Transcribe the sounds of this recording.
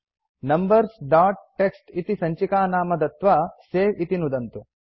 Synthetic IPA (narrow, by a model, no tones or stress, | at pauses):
nɐmbɐɾsɖaːʈ̚ʈːeksʈit̪isɐɲt͡ʃikaːnaːmɐd̪ɐt̪ʋaseːʋit̪inud̪ɐnt̪u